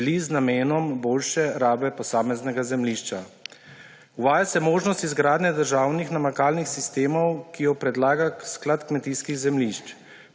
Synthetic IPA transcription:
liznameːnɔmboːlʃɛɾaːbɛpɔsaːmɛznɛɡazɛmliʃt͡ʃa | uʋaːjasɛmoːʒnɔst̪izɡɾaːd̪nɛd̪əɾʒaːwnixnamakaːlnixsist̪eːmɔwkijɔpɾɛd̪laːɡasklat̪kmɛt̪iːskiɣzɛmliʃt͡ʃ

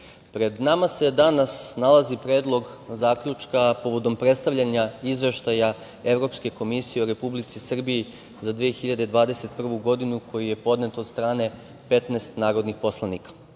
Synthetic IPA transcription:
pɾe̞d̪namase̞d̪anasnalˠazipɾeːd̪lˠo̞ɡzaːkʎut͡ʃkapo̞ʋo̞d̪o̞mpɾe̞t̪st̪aʋʎʲaɲaizʋe̞ʃt̪aja | e̞vɾo̞pske̞ko̞misijeoɾe̞publit̪sisr̩bii | zad̪ʋiexiʎad̪ed̪ʋaːd̪ese̞t̪̚pr̩ʋuɡo̞d̪inukʰo̞jije̞po̞d̪ne̞t̪od̪st̪ɾaːne̞ | pe̞t̪neːst̪naːɾod̪nixpo̞slˠaniːkḁ

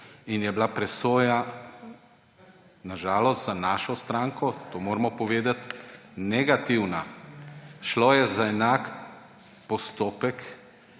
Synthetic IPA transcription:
injɛblapɾɛsoːja | naʒaːlɔst̪zanaːʃɔst̪ɾaːŋkɔt̪oːmoːɾmɔpɔʋeːd̪at̪nɛɡat̪iwna | ʃloːjɛzaɛnaːk | pɔst̪oːpɛk

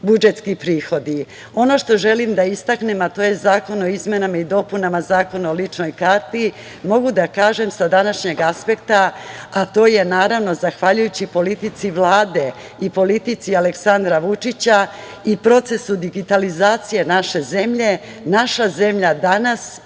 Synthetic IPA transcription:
bud͡ʒe̞t̪skipɾiːxo̞d̪i | o̞no̞ʃt̪o̞ʒe̞limd̪aist̪akne̞mat̪o̞ːje̞zaːko̞no̞izme̞namaid̪o̞punamazaːko̞naolit͡ʂno̞jkaɾt̪i | mo̞ɡud̪akaːʒe̞msad̪anaʃɲe̞ɡaspe̞kt̪aat̪o̞ːje̞naːɾaʋno̞zaxʋaʎujut͡ɕipo̞lit̪it̪siʋlˠaːd̪e̞ | ipo̞lit̪it̪sialeksand̪ɾaʋut͡ʂit͡ɕa | ipɾo̞t̪se̞sud̪iɡit̪alizaːt̪sije̞naʃe̞ze̞mʎe̞ | naʃaze̞mʎad̪anas

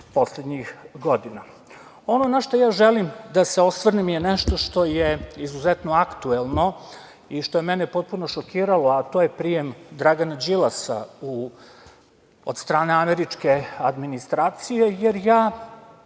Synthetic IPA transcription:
po̞sled̪ɲixɡo̞d̪ina | o̞nonaʃt̪ojaːʒelimd̪ase̞o̞sʋrnimjeneʃt̪o̞ʃt̪o̞jeizuzet̪no̞akt̪uelˠno̞ | iʃt̪o̞jemɛnepo̞t̪̚punoʃokiːɾalo̞at̪ojepɾijemd̪ɾaɡanad͡ʑilˠasa̰u | od̪st̪ɾaːne̞ameɾit͡ʃke̞ad̪minist̪ɾaːt̪sije̞jeɾjaː

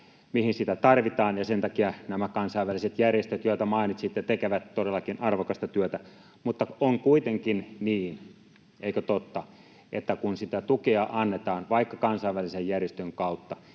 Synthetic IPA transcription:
mihinsit̪æt̪ɑrʋit̪ɑːnjɑsent̪ɑkiɑnæmækɑnsɑiʋːæliset̪jærjest̪øt̪joˑit̪ɑmɑinit̪sit̪jɑt̪ekeʋæt̪t̪odelːɑkinʔɑrʋokɑst̪ɑt̪yøt̪æ | mut̪ːɑoŋkuit̪eŋkinniːn | eikøt̪ot̪ːɑ | ʔḛt̪ːækunsit̪æt̪ukeɑʔɑnːet̪ɑːnʋɑikːɑkɑnsɑiʋːælisejjærjest̪øŋkɑut̪ːɑ

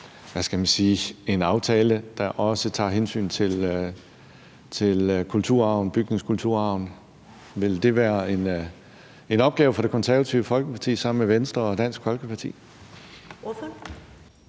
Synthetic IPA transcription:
ʋæsɡ̥æmænsiːe̝nɑ̈ʊt͡sʰɛːləd̥ɑ̈ʔɒ̽sət͡sʰɑ̈ːɦensy̰ːnt͡sʰe̝l | t͡sʰe̝lkʰult͡sʰuɐ̰ɑ̈ʊ̰nb̥yɡ̥̚ne̝ŋskʰult͡sʰuɐ̰ɑ̈ʊn | ʋe̝ld̥e̝ʋæːɐe̝n | e̝nɒ̽b̥ɡ̥ɛːʊfɒ̽ɾ̥e̝kʰɒ̽nsæɐʋæt͡sʰiʊəfɒ̽lɡ̥əpʰɑ̈t͡sʰḭːsɑ̈m̰n̩meʋensd̥ʁɐɒ̽d̥æn̰sɡ̥fɒ̽lɡ̥əpʰɑ̈t͡sʰḭː

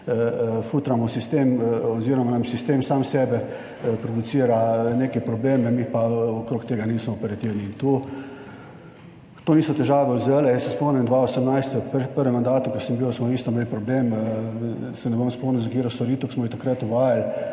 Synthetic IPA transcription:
fut̪ɾamɔsist̪emɔziɾɔmanamsist̪eːmsaːmsɛːbɛ | pɾɔd̪ut̪siːɾaneːkɛjpɾɔbleːmnɛmipaɔkɾoːkt̪eːɡaniːsmɔːpɛɾat̪iwniːnt̪u | t̪oniːsɔt̪ɛʒaːʋɛuzelɛjɛsːɛspɔmnɛmd̪ʋaosɛmnajst̪ɔppəɾʋɛmand̪aːt̪ukɛɾsəmbiwsmɔiːst̪ɔmeːlpɾɔbleːm | sɛnɛbomspɔmnɛnzaɡiːɾawst̪ɔɾiːt̪ʊksmɔit̪akɾat̪ʊʋaːjal

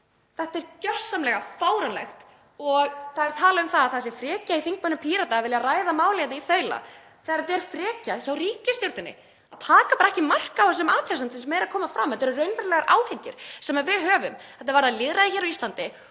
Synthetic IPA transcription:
θɛht̪ɛɾcœ̥sːamlɛɣafaːwɾanlɛ̰xt̪ | ɔɣθaðɛɾ̥t̪ʰaːlaʏmθaðaθaðsjɛfɾɛːcaiθiŋk̚mœnːʏmpʰiːɾat̪avɪljaraːjðamaːwlɛjɛt̪nɪiθœɥla̰ | θɛɣaɾat̪ɛɾ̥fɾɛːcaçawriːcɪst̪jowɾt̪ɪnːɪ̰ | at̪ʰaːkapaɾaɛhcɪmar̥kaas̬ɛmaːt̪ɾasant̪sɛmsmɛjɾakʰɔːmafɾamːθɛt̪ɛɾʏrœɥnvɛɾlɛɣaɾʔaːwhɛɲcɪɾ̥sɛmavɪðɦœːvʏmθɛt̪avaɾðaðlɪðɾaðɪçɛɾawist̪lant̪ɪ

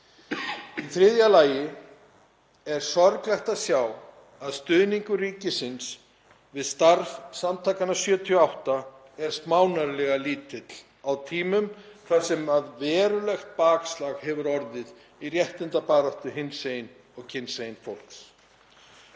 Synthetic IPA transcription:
iθɾɪðjalaːjɪ | ɛɾ̥sɔɾklɛxt̪aðsjaːw | aðst̪ʏːðniŋkʏriːcɪsɪns | vɪðst̪aɾvsamt̪ʰaːkanasjœːt̪ʰiɔawht̪a | ɛɾ̥st̪maːwnaɾlɛɣaliːt̪ɪt̪l̥ | awt̪ʰiːmʏmkʰḁsɛmaðvɛːɾʏlɛxt̪̚paːkslaɣhɛvʏɾɔɾðɪð | irjɛht̪ɪnt̪apaːɾaht̪ʏɦɪnsejn | ɔɣcʰɪnsejnfowl̥ks

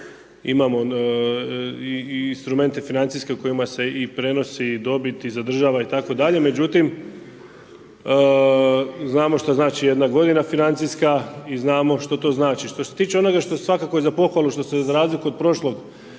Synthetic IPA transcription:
ḭmamo̞ | iːnst̪ɾume̞nt̪e̞finant̪siske̞uko̞jimase̞ipɾe̞no̞sid̪o̞bit̪izad̪r̩ʒaːʋait̪akod̪aʎe̞me̞d͡ʒut̪im | znaːmoʃt̪oznaːt͡ʃije̞d̪naɡo̞d̪inafinant̪ijskaiznaːmo̞ʃt̪ot̪o̞ːznaːt͡ʃiʃt̪o̞se̞t̪iːt͡ʃeo̞no̞ɡaʃt̪osʋakakoezapo̞xʋalˠuʃt̪o̞sezaɾaːzlikuod̪̚pɾo̞ʃlˠo̞ɡ

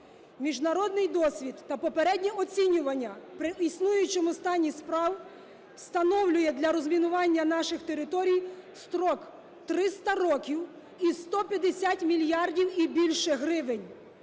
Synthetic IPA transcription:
mʲiʒnɐɾɔd̪nɪjd̪ɔsʲʋʲid̪ːɐpɔpeɾɛdʲnʲiʔɔt͡sʲinʲʊʋɐnʲːɐpɾɪisnujʊt͡ʃɪmʊst̪ɑnʲːispɾɑw | st̪ɐnɔwlʲʊjɛd̪lʲɐɾɔzmʲinʊʋɑnʲːɐnɑʃɪxt̪eɾɪt̪ɔɾʲijst̪ɾɔk | t̪ɾɪst̪ɐɾɔkʲiw | ist̪ɔpʲjɐd̪esʲatʲmʲilʲjɑrdʲiwibʲilʲʃɛɦɾɪʋenʲ

